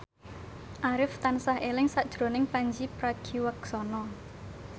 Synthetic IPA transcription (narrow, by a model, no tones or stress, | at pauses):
ʔaɾɪft̪ansahʔelɪŋsad̥ʒ̥ɾo̤nɪŋpaɲd͡ʒipɾaɡ̥iwəksɔnɔ